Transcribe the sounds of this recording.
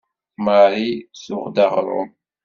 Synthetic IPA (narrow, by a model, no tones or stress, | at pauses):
maɾisʊʁd̪aʁɾˤʊ̰m